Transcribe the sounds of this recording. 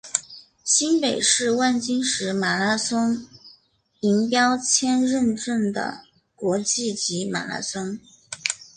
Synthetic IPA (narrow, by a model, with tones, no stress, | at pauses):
ɕi˥npe˨˩ɪʂɻ̩˥˧wa˥˩nt͡ɕi˥ŋʂɻ̩˧˥ma˨˩la˥sə˥ŋ | i˧˥ŋpjɑ˥ʊt͡ɕʰjɛ˥nɻə˥˧nʈ͡ʂə˥˩nd̪ə̰˩ | kwɔ˧˥t͡ɕi˥˩t͡ɕi˧˥ma̰˨˩la̰˧˥sɤ˥ŋ